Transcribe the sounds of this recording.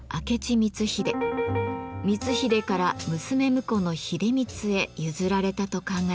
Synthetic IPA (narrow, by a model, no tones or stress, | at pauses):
a̰ke̞t͡ɕimʲit͡sɨçid̪e̞ | mʲit͡sɨçid̪e̞kaɾamɯ̟sɨme̞mɯ̟ko̞no̞çid̪e̞mʲit͡sɨe̞jɯzɨɾaɾe̞t̪at̪o̞kãŋɡa